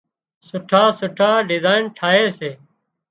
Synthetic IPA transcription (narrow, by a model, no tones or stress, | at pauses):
sʊʈʰaːsʊʈʰaːɖɪzaːɪnʈʰaːɦeːseː